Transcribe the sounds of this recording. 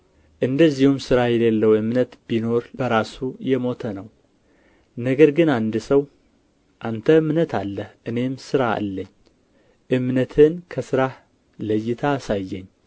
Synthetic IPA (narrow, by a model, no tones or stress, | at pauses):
ʔɨnd̪əzːihumsɨɾajɛlelːəwɨmnət̪bino̞ɾb̥əɾasujɛmo̞t̪ʰənəw | nəɡəɾɡɨnand̪ɨsəw | ʔant̪ʰəɨmnət̪ʰalːəhʔɨne̞msɨɾaa̰lːəɲː | ʔɨmnət̪ʰɨnkʰəsɨɾah | ləjːɪt̪ʰasajːɛɲː